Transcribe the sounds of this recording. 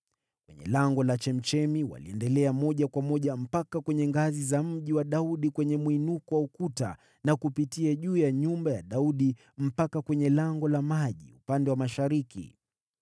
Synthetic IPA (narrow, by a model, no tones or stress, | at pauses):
kwɛɲɛ̰laŋɡɔlat͡ʃɛm̩t͡ʃɛmiwa̰lḭɛndɛlɛamɔʄakwamɔʄam̩pakakwɛɲɛŋɡazizam̩ʄiwaɗauɗikwɛɲɛmuinukɔwaukuta̰ | nakupitiaʄuːjaɲumbajaɗauɗi | m̩pakakwɛɲɛlaŋɡɔlamaʄḭupandɛwamaʃaɾikḭ